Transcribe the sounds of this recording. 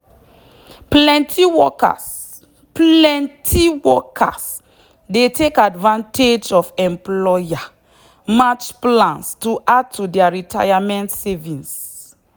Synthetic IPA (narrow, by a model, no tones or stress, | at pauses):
plɛ̃ntʰiwɔka̰s | plɛ̃ntʰiwɔkʰas | detʰekadvãnted͡ʒɔfɛ̃mplɔja | mat͡ʃplãnstuʔad̚tʰudɛaɹitʰajamɛ̃ntsɛvĩns